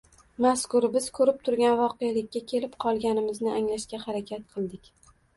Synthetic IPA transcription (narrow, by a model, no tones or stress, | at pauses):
maskʊɾbɪz̥kʰɵɾɪp̚t̪ʰʊɾɡʲanvɒqejalɪkʲːakʲʰe̞lɪpqʰɒlˠɡʲanɪmɪznɪaŋlaʃkʲahaɾakʲʰat̪̚qʰɨlˠd̪ɪkʲ